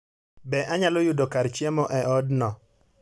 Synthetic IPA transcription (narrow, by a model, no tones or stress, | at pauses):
bɛʔaɲalɔjʊdɔkaɾt͡ʃɛmɔʔɛʔɔdnɔ